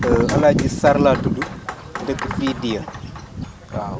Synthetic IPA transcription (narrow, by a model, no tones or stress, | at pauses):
əalad͡ʒisaɾladudu | dəkifidia | a